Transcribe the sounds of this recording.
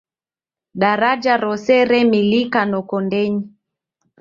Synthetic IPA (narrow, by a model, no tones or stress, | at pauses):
ɗaɾad͡ʒaɾɔsɛɾɛmilikanɔkɔndɛɲi